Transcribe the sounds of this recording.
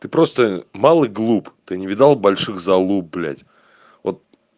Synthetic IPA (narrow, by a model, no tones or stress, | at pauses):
t̪ɨpɾo̞st̪əmalˠɨɡlˠupt̪ɨnʲɪvʲɪd̪alˠbɐlʲʂɨɣzɐlˠup̚blʲæ̰tʲ | vot̪̚